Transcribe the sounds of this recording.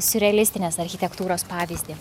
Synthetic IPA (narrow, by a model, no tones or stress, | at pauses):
sʊɾʲɛɛlʲɪsʲt̪ʲɪnʲeːsɐɾʲxʲɪt̪ʲɛkt̪uːɾoːspɑːʋʲiːzʲd̪ʲiː